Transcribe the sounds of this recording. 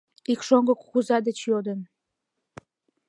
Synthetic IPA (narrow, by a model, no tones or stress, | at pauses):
ikʃoŋɡəkxuzɑd̪et͡ɕjod̪ən